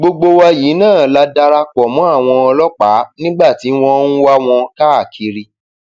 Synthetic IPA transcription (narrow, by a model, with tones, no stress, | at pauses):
ɡ͡bo˧ɡ͡bo˧wa˧ji˨˦nãː˦˨la˦da˧ɾa˧kɔ˨mɔ̃˨˦a˦˨w̃ɔ̃˧ɔ˧lɔ˦k͡pa˨˦nĩ˦ɡ͡ba˦˨ti˨˦w̃ɔ̃˧˦ñ̩˦wa˦w̃ɔ̃˧ka˦a˦˨kʰi˧ɾi˧